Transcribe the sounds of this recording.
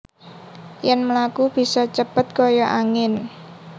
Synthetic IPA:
jɛnməlakub̥i̤sɔt͡ʃəpət̪̚kojɔʔaŋɪn

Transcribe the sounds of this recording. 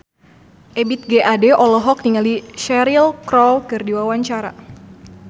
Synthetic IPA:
ʔɛbit̪̚ɡeʔadɛʔɔlɔɦɔk̚niŋaliʃɛɾilkɾɔwkɨrdiwawaɲt͡ʃaɾa̰

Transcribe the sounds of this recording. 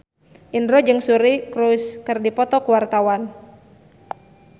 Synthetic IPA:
ʔindɾɔd͡ʒɨŋsuɾikɾuskɨrdipɔt̪ɔkuwart̪awan

